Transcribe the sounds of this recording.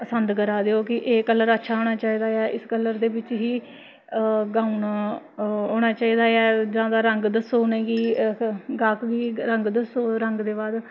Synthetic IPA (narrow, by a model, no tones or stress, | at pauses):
əsənd̪kəɾaːd̪eːoːkɪʔeːkəlːəɾətːʃʰaːɦoːɽ̃naːt͡ʃaːiːd̪aːɛːʔɪskəlːəɾd̪eːbɪt͡ʃɦiː | ɡãːun | ɦoːɽ̃aːt͡ʃaːiːd̪aːɛːd͡ʒãːd̪aːɾəŋɡd̪əsoːnẽːɡiː | ɡaːkɡiːɾəŋɡd̪əsoːɾəŋɡd̪eːbaːd̪